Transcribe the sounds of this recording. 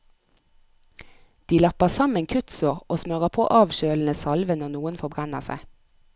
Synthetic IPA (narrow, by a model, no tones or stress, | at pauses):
d̪̥iːlɑpəsɑmənkʰʉt̪sʊʁoːsmøʁəpʰo̰ːʔɑːʋʃøːln̩əsɑlʋənɔːnuːənfɔbʁænəʁsæ̰ɪ